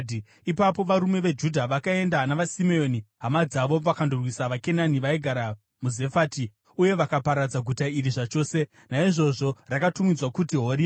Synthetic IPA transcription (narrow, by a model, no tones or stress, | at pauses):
ipapo̞ʋaɾume̞ʋe̞d͡ʒudʱaʋakae̞ndanaʋasimeoniɦamad͡zaʋo̞ʋakandorwisaʋake̞naniʋaiɡʱaɾa | muze̞faːti | uje̞ʋakapaɾad͡zaɡʱutairiʐat͡ʃo̞ːse̞ | naiʐo̞ʐo̞rakatumid͡zwakutiɦoɾi